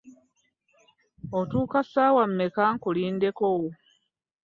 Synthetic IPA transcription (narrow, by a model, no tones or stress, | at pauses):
otuːkasaːwamːekaŋkuliːnde̞kowo